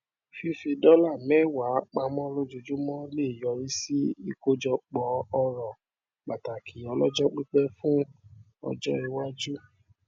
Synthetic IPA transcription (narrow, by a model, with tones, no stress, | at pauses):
fi˧˦fi˧dɔ˦la˦˨mɛ̃˦˨wa˨˦k͡pa˧mɔ̃˦lo˦d͡ʒu˧d͡ʒu˦mɔ̃˦le˦˨jɔ˨˧ɾi˦si˦i˧ko˦d͡ʒɔ˧k͡pɔ˨˦ɔ˧ɾɔ˨ | k͡pa˨ta˨kʰi˨˦ɔ˧lɔ˦d͡ʒɔ˦k͡pi˦k͡pɛ˦fũ˦ | ɔ̰˧d͡ʒɔ˦i˧wa˦d͡ʒu˦